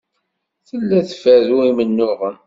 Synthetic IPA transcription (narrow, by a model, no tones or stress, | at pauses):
θəlːæθfæðuimənːʊʁəm